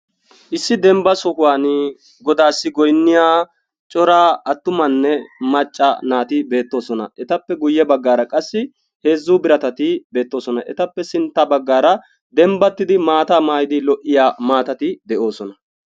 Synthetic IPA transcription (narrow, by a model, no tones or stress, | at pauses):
ʔɪsːɪd̪ɛmbɐsɔkʊwaːnɪ | ɡɔd̪aːsːɪɡɔjnːɪjaː | t͡ʃʼɔɾaːɐt̪ːʊmɐnːɛmɐt͡ʃʼːɐ̰naːt̪ɪbe̞ːt̪ːo̞ːsɔnɐ̰ʔɛt̪ɐpːɛɡʊjːɛbɐɡːaːɾɐkʼɐsːɪ | he̞ːzːuːbɪɾɐt̪ɐt̪ɪbe̞ːt̪ːo̞ːsɔnɐʔɛt̪ɐpːɛsɪnt̪ːɐbɐɡːaːɾɐ | d̪ɛmbɐt̪ːɪd̪ɪmaːt̪aːmaːjɪd̪ɪlɔʔːɪjaːmaːt̪ɐt̪ɪd̪ɛʔo̞ːsɔnɐ